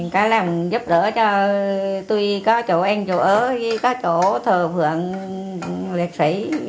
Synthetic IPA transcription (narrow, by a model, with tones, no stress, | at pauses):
ŋkaː˨˦jlaː˨˩mzu˦˥p̚ɗə̰ː˧˥t͡ɕɔ˧t̪u˧jkɔ˨˦t͡ɕo˧˩ʔɛ˧ŋt͡ɕo˧˩ʔəː˧˦i˧˦kɔ˨˦t͡ɕo˧˩˥t̪ʰəː˨˩fʰɨ̰˧˨əŋ | le˨˩k̚si˧˦j